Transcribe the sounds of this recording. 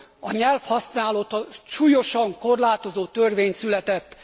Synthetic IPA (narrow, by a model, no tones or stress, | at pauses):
ɒɲɛlfhɒsnaːlot̪ɒʃuːjo̞ʃɒŋko̞rlaːt̪o̞zoːt̪ørveːɲsylɛt̪ɛt̪ː